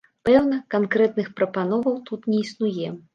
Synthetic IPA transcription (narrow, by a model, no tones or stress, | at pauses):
pɛwnɐkankɾɛt̪nɨxpɾɐpanɔvɐwt̪ut̪nʲɛisnujɛ